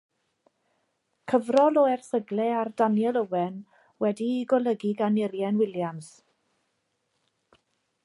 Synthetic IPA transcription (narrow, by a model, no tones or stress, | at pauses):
kʰəvrɔlɔɛrθəɡlɛardanjɛlˠəwɛn | wɛdiɡɔlˠəɡiɡanɪɾjɛnwɪljams